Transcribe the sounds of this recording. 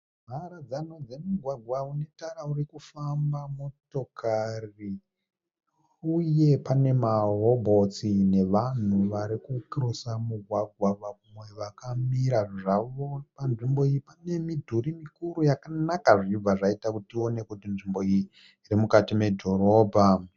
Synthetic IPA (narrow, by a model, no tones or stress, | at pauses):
m̤ʱaɾad͡zanod͡ze̞muɡʱwaɡʱwaune̞taɾaurikufambamo̞to̞kari | uje̞pane̞maɦobʱo̞t͡sine̞ʋan̤uʋaɾikukirosamuɡʱwaɡʱwaʋaumwe̞ʋakamiɾaʐʐaʋopanʐimbo̞ijipane̞midʱuɾimikuɾujakanakaʐib͡vaʐaitakutio̞ne̞kutinʐimbo̞ijiː | ɾimukatime̞dʱo̞ɾo̞ːbʱa